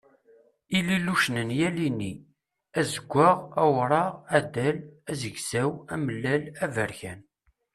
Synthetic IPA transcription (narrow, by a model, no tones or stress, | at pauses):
ililuʃnənjælini | æzəɡʷːaʁæwɾˤɑʁæd̪ælæzəɡsæwæməlːælævəɾçæn